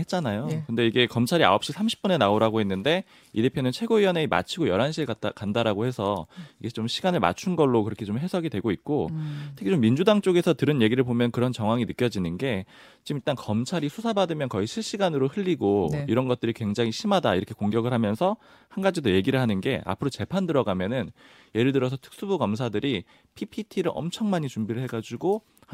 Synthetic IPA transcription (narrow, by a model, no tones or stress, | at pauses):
het̚t͡ɕ͈anajokɯnde̞iɡe̞kʌmt͡ɕʰaɾia̰ʌp̚ɕ͈isʰamɕʰi̥p͈̚une̞naoɾaɡoɦe̞nːɯnde̞ | ide̞pʰjonɯnt͡ɕʰwe̞ɡoiʌne̞ima̰t͡ɕʰiɡojʌɾanɕʰiɭkandaɾaɡohe̞sʰʌiɡe̞t͡ɕomɕʰiɡanɯɭma̰t͡ɕʰunɡʌɭːokɯɾʌkʰe̞t͡ɕomɦe̞sʰʌɡidwe̞ɡoit̚k͈ottʰɯ̥kʰit͡ɕomːind͡ʑudaŋt͡ɕ͈oɡe̞sʰʌtɯɾɯnje̞ɡiɾɯɭpomjʌnkɯɾʌnt͡ɕʌŋɦwaŋinɯk͈jʌd͡ʑinɯnɡe̞ | t͡ɕimiɭt͈ankʌmt͡ɕʰaɾisʰusʰabadɯmjʌnkʌiɕʰiɭɕ͈iɡanɯɾohɯʎːiɡoiɾʌnɡʌt̚t͈ɯɾikwe̞ŋd͡ʑaŋiɕʰimada̰ḭɾʌkʰe̞koŋɡjʌɡɯɭɦamjʌnsʰʌ | hanɡad͡ʑidoje̞ɡiɾɯɭɦanɯnɡe̞̰ʔa̰pʰɯɾot͡ɕe̞pʰandɯɾʌɡamjʌnɯn | je̞ɾɯɭdɯɾʌs̬ʰʌtʰɯ̥k̚s͈ubuɡʌmsʰadɯɾi | pʰipʰitʰiɾɯɭʔʌ̰mt͡ɕʰʌŋmaɲit͡ɕumbiɾɯɭɦe̞ɡad͡ʑiɡo